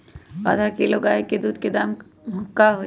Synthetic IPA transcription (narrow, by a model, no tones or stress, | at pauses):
a̰ːd̪ʱakiloɡaːeked̪uːd̪ʱked̪am | mʱʊkːaɦo